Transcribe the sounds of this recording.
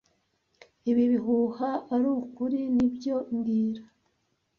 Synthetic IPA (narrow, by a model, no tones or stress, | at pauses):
iβiβiɦuhaaɾukuɾinibjo̞nɡiːɾa